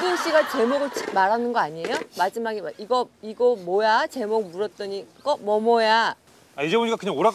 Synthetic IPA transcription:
dɯnɕ͈iɡat͡ɕe̞moɡɯɭt͡ɕimaɾɦanɯnɡʌaɲiejomad͡ʑimaɡeaiɡʌiɡʌmojat͡ɕe̞mok̚muɾʌt̚t͈ʌɲik͈ʌmʌmʌja | aid͡ʑe̞boɲik͈akɯɲaŋoɾa

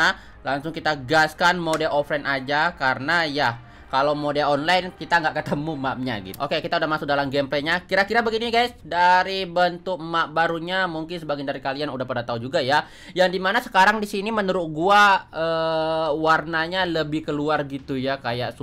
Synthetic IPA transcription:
laŋsʊŋkit̪aɡaskanmodɛlofɾɛnʔad͡ʒakaɾənaja | kalowmodɛlɔnlajnkit̪aŋɡaʔkət̪əmumaʔ̚ɲa̰ɡḭt̪ʔokekit̪audahmasʊk̚dalamɡɛmpleɲakiɾakiɾabəɡiniɡajsdaɾibənt̪ʊk̚maʔbaɾuɲamuŋkɪnsəbaɡandaɾikalianudahpadat̪aud͡ʒuɡaja | jaŋdimanasə̥kaɾaŋdisinimənəɾʊk̚ɡuaəːwarnaɲaləbɪhkəluarɡit̪ujakajaʔs

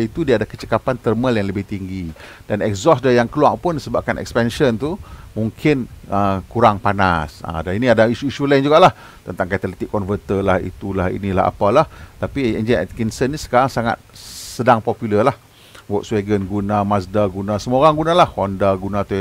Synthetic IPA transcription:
it̪udiadakət͡ʃəkapant̪ərməljaŋləbɪht̪iŋɡi | d̥anɛkzɔsdajaŋkəluaŋpʊnsəbap̚kanʔɛ̰kspɛnʃənt̪umuŋkʰɪnəkuɾaŋpana̰sə̰daniniadaiʃuiʃulaind͡ʒuɡaʔlah | t̪ənt̪aŋkat̪ələt̪ikːɔnvət̪əlahḭt̪ulahḭnĩla̰hɦa̰palaht̪apiɛ̰nd͡ʒɛnɛ̰t̪̚kinsənːisə̥kaɾaŋsaŋa̰t̪̚sədaŋpɔpjuləlah | wɔʔ̪sweɡənɡunamasdaɡunasəmoɾaŋɡunalahhɔndaɡunat̪a

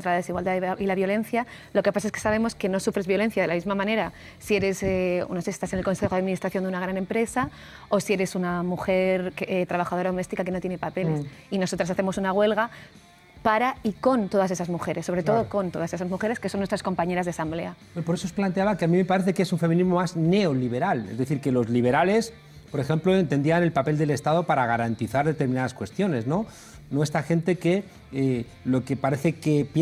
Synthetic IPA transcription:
ɾalaðe̞siɣwald̪aðilaβjo̞lẽ̞n̟θjalo̞ke̞pas̬aseskesaβ̞e̞mo̞ske̞no̞sufɾe̞zβjo̞le̞n̟θjaðe̞lamizmamãne̞ɾa | sie̞ɾe̞sḛnosesi̥st̪asenelko̞nse̞xoaðminist̪ɾaθjo̞nd̪eunaɣ̞ɾanẽ̞mpɾe̞sa | o̞sie̞ɾe̞sunamuxe̞ɾkt̪ɾaβ̞axaðoɾaðo̞me̞st̪ikake̞not̪je̞nepape̞lesino̞so̞t̪ɾas̬aθe̞mo̞sunaɣ̞we̞lɣa | paɾaiko̞nt̪o̞ðase̞sazmuxe̞ɾesːo̞βɾe̞t̪oðoko̞nt̪o̞ðase̞sazmuxe̞ɾe̞skeso̞nːwest̪ɾasko̞mpaɲe̞ɾazðasamble̞abeopo̞ɾe̞sosplant̪eaβakeamĩme̞paɾeθekesuɱfe̞minizmo̞mazne̞oliβe̞ɾalezðe̞θiɾkelo̞zliβ̞e̞ɾale̞s | po̞ɾe̞xe̞mplo̞ent̪e̞nd̪iane̞lpape̞ld̪e̞le̞st̪aðo̞paɾaɣaɾant̪iθaɾðe̞t̪eɾmĩnaðaskwe̞st̪jo̞ne̞zno̞ | noest̪axent̪e̞ke | e | lo̞kepaɾe̞θe̞kep

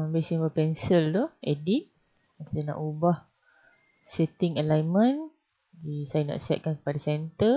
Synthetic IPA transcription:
besĩŋəpɛnsəlt̪uɛdik̚ | kit̪anã̰ʔubah | sɛt̪ɪŋəlajmə̃n | disajanã̰ʔsɛt̪̚kankə̥padasɛnt̪ə

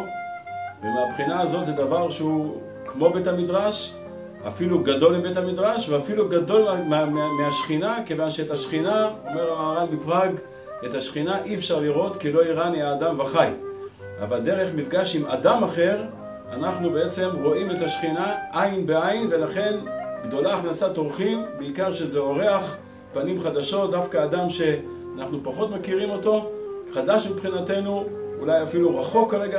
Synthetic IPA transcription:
vemeapχinaːzo̞t̪zed̪avaʁʃeu | kmo̞bethamid̪ʁaʃ | a̰filuɡado̞libethamid̪ʁaʃveafiluɡado̞lmmeaʃχinake̞vanʃeːtaʃχinaomeʁlaaːʁanlipʁaɡ | etaʃχinaʔiefʃaʁliʁo̞t̪kilo̞iʁaniaːdamvaχaj | ʔa̰vald̪e̞ʁe̞χmifɡaʃimadamaχe̞ʁ | anaχnubeet͡se̞mʁo̞ʔinuetaʃχinaʔainbeajinve̞laχe̞nɡd̪o̞laːχnasatoʁχimbeikaʁʃe̞zeo̞ʁe̞aχ | panimχad̪aʃo̞t̚d̪afkaːd̪amʃe̞ | anaχnupaχo̞t̪makiʁimo̞to̞ | χadaʃmipχinate̞nuulajafiluʁaχo̞kːaʁe̞ɡa

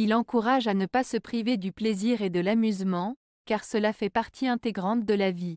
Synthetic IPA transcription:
ilɑ̃kuʁaʒanəpasəpχived̪ypleziʁed̪əlamyzmɑ̃ | kaʁsəlafɛpaʁt̪ʰiɛ̃t̪eɡʁɑ̃t̪̚d̪əlavi

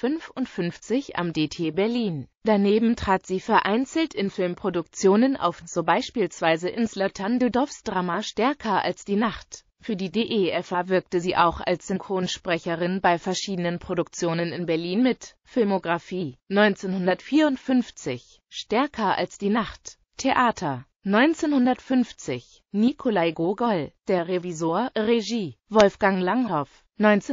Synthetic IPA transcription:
fʏnfʊntfʏnft͡sɪça̰mdeːtʰeːbɛɐliːnd̥aneːbm̩tʁ̥aːtz̥iːfɛɐʔaɪnt͡sl̩tɪnfɪlmpʁ̥odʊkt͡sjoːnənʔa̰ʊfz̥oːbaɪʃpiːlsv̥aɪzəʔɪnslatʰandədɔɐfsd̥ʁaːmaʃtɛɐkʰɐʔa̰lsd̥iːnaχt | fyːɐdiːdeːʔeʔɛfavɪɐk̚təziːʔa̰ʊxa̰lsz̥ʏŋkʁ̥oːnʃpʁ̥ɛçəʁɪnbaɪfɛɐʃiːdənənpʁ̥oɾʊk̚t͡sjoːnənɪnbɛɐliːnmɪt | fɪlmoɡʁafiːnɔʏnt͡seːnhʊndɐtfiːɐʊntfʏnft͡sɪç | ʃtɛɐkʰɐʔa̰lsd̥iːnaχt | tʰeʔaːtʰɐ | nɔʏnt͡seːnhʊndɐtfʏnft͡sɪç | nikʰolaɪɡoɡɔld̥eːɐʁevizoːɐʁeʒiːvɔlfɡ̥aŋlaŋɦɔf | nɔʏnt͡s

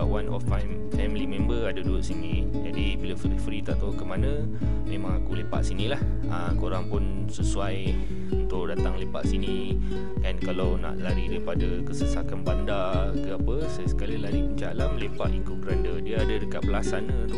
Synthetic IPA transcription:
aʔwanɔ̰fam | fɛmlimẽmbəadəduʊʔ̪̚sinĩ | d͡ʒadibiləfɾifɾit̪aʔt̪aukəmanə̃ | mẽmãŋakulepa̰ʔsinĩlah | əkoɾaŋpʊn | səsuaj | unt̪ʊʔdat̪aŋlepa̰ʔsini | ankalawna̰ʔlaɾidaɾipadakəsəsakanbanda | kəapəsajasə̥kalilaɾipəɲt͡ʃa̰laməlepaʔiŋkoɡɾandədiəadədəkaʔ̪̚pəlasanə

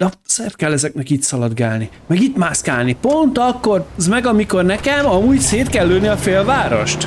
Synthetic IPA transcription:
d̪ɒsɛrt̪̚kɛlːɛzɛk̚nɛkiːt̪sɒlɒd̪ɡaːlni | mɛɡiːt̪maːskaːlnipo̞nt̪ɒkːo̞rzmɛɡɒmiko̞rnɛkɛmɒmuːɟseːt̪kɛlːøːniɒfeːlvaːɾo̞̰ʃt̪

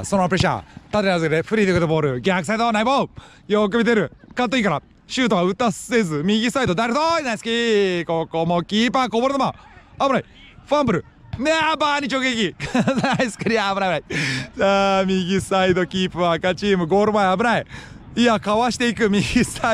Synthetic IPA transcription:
sonopɯ̟ɾe̞ɕa̰ːt̪at̪eazɨked̪eɸɯ̟ɾʲiːd̪ekɯt̪obo̞ːɾɯ̟ɡʲakɯ̟s̬aid̪onaibo | jok̬ɯ̟bʲit̪e̞ɾɯ̟kãt̪̬ːoiːkaɾa | ɕɨːt̪oɡaɯ̟t̪asezɨmʲiɡʲisaid̪od̪aɾɯt̪oinasɨ̥kʲikokomokʲiːpakoboɾema | abɯnai | ɸãmbɯ̟ɾɯ̟ | neabaːɲ̟it͡ɕoɡekʲiknaisɨ̥kɯɾʲiabɯɾajbɯɾaizamʲiɡʲisaid̪o̞kʲiːpɯ̟βakat͡ɕiːmɯ̟ɡo̞ːɾɯmaeabɯ̟nai | iakaβaɕi̥t̪e̞ikɯ̟mʲiɡʲis

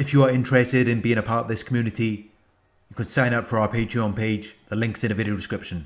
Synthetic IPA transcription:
ɪfjəəɹɪ̃nt͡ʃɹ̥ɛstɪɾɪ̃nbiːɪ̃ŋəpʰɑɹtəðɪskʰəmjʉːnɪti | jəkʰə̃n̥sãɪ̃ñʌpfəɹaʊəpʰeɪtʰɹ̥iə̃npʰeɪd͡ʒðəlɪ̃ŋksɪ̃nɪvɪɾiəʊdɪskɹɪpʃə̃n

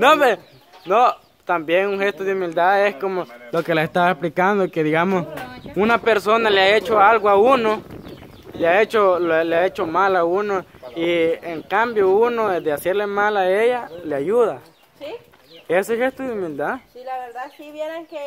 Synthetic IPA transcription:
nobeɾ | no | t̪ambjeŋuŋxest̪oðeumild̪aðeskomolokelaest̪aβesplikand̪okeðiɣamosunapeɾsonaleaet͡ʃoalɣoauno | leaet͡ʃollaet͡ʃomalaunoieŋkambjounoed̪easeɾlemalaejaleajuða | esexest̪oðeumild̪aðeɾa

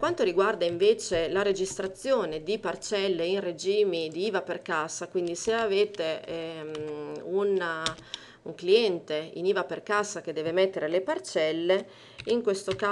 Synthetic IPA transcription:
kwant̪oɾiɡward̪aiɱveːt͡ʃelaɾed͡ʒist̪ɾat̪sːjoːned̪ipart͡ʃɛlːeinred͡ʒiːmid̪iiːvaperkasakwind̪iseaveːt̪e | una | uŋkliɛnt̪eḭniːvaperkasak̟ed̪ːɛːvemet̪ːeɾelepart͡ʃɛlːe | iŋkwest̪oka

